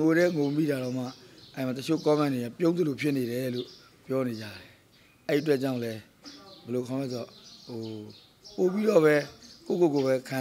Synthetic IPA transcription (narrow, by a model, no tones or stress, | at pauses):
oɾɛŋommḭɾaɾõʊ̃ma̰ʔɛ̃mat̪ət͡ɕʰo̰kãmãnejapjõʊ̃nd̪əlopʰjɪʔneɾɛlo̰ | pjɔned͡ʑa̰ɾɛ | ʔɛiət̬wɛʔt͡ɕãʊ̃lɛ | bɛlokʰãmlɛs̬ɔɦo | popiɾɔbɛko̰kokoβɛkʰã